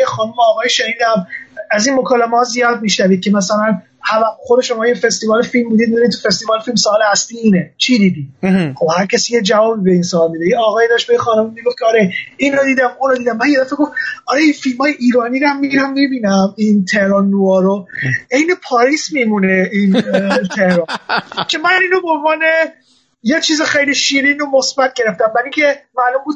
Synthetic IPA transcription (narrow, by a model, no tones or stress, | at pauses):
exɒːnumeɒːɣɒːjeʃeniːd̪æmæzinmokʰɒːlæmehɒzijɒːd̪̚miːʃnæviːd̪̚cʰemæsælæn | hævæxod̪eʃo̞mɒːjefe̞st̪ivɒːlefilmːid̪iːd̪minit̪ʰːufe̞st̪ivɒːlfilmsoːlehæst̪iːiːnet͡ʃʰid̪iːd̪iːxobhæɾcʰæsijed͡ʒævɒːbibeinsoːlmid̪eiɒːɣɒːjed̪ɒʃt̪bejexɒːnumumiɡofkʰɒːɾeinod̪iːd̪æmunɾod̪iːd̪æmːænjed̪æfeɡo̞fɒɾeinfilmhɒːjeʔiːɾɒːniɾæmːiɡiɾæmːibiːnæmint̪ʰe̞hɾɒnːuɒːɾoe̞jnepʰɒːɾiːsmimuneint̪ʰe̞hɾɒːncʰʲe̞mæniːnobeonvɒːne | jet͡ʃʰiːzexejliʃiːɾinomosbæt̪̚ʰɟe̞ɾeft̪æmːæɾiŋcʰe̞mæːlombuːd̪̥̚